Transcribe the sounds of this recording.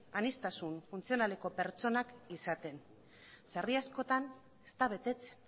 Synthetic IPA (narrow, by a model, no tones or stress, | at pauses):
anist̪asunfunt͡sio̞naleko̞pe̞ɾt͡so̞nakisat̪e̞n | sariasko̞t̪an | e̥st̪aβ̞e̞t̪e̞t͡se̥n